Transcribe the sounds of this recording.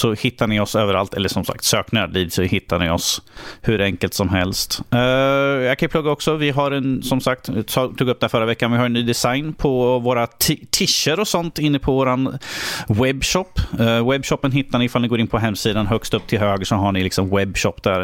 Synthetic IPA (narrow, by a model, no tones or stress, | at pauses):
sɔhɪt̪ːaɳɪɔsøːvəɾa̰lt̪ʰɛ̰lːəʂɔmsa̰k̚t̪søːknɪaɖ̪iːd̪sɔhɪt̪ːaɳɪ̰ɔ̰shɵɾɛŋkəlt̪sɔmɦɛ̰lst̪ | jɑkʰanjʏpʰlɵɡːaɔksɔvɪɦaɾɛnsɔmsak̚t̪ːt̪ʰuːɡɵp̚d̪ɛhæfœɾːavɛkːanvɪhaɾɛnːyːd̪ɛsajnpʰɔvoːɾat̪ʰt̪ʰɪʃːəɾɔsɔnt̪ɪnːəpʰɔvoːɾanwɛbːɕɔpːwɛbːɕɔpːənɦɪt̪ːaɳɪɪfalnɡoːɾɪnpʰɔɦɛmːsiːd̪anɦœkst̪ɵpːt̪ʰɪlɦøːɡəʂɔɦaɳɪlɪksɔmwɛbːɕɔpːd̪æɾ